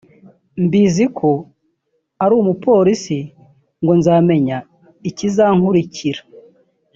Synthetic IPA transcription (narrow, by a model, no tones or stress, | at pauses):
mbizikʰo | aɾuːmupo̞ːɾisi | ŋɡo̞nzaːme̞ɲa | icizaŋhuɾicʰiɾa